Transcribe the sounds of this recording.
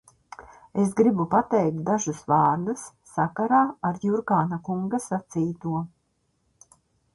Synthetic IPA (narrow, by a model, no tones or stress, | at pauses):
es̬ɡɾibupat̪ɛjk̚t̪̚d̪aʒusvɑːɾd̪asːakaɾaːaɾjuɾkaːnakuŋɡasat̪siːt̪uɔ